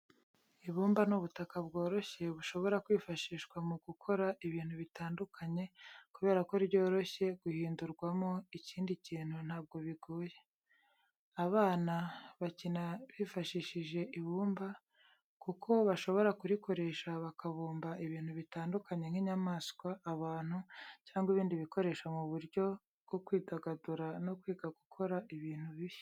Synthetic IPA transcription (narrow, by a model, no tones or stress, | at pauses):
iβuːmbanuβutakabɡo̞ːɾo̞çe̞βuʃo̞βo̞ɾakwiːfaʃiːʃkwamuɡukʰo̞ɾaʔiβiːn̥huβitaːndukʰaɲe̞kuβe̞ːɾako̞iɾβɟo̞ːɾo̞çe̞ɡ̥uhiːnduɾɡwamo̞iciːndiciːn̥hun̥haːb̚ɡo̞βiɡuːje̞ | aβaːnaβacinaβifaʃiʃiʒe̞ʔiβuːmba | kukʰo̞βaʃo̞βo̞ɾakuɾiko̞ɾe̞ʃaβakaβuːmbaiβiːn̥huβitaːndukaɲe̞ŋhiːɲamaskwaːβaːn̥hucaːŋɡwiβiːndiβiko̞ɾe̞ːʃamuβuɾjo̞ | bɡ̥o̞kwiːdaɡaduɾano̞kwiːɡaɡukʰo̞ɾaʔiβiːn̥huβiβ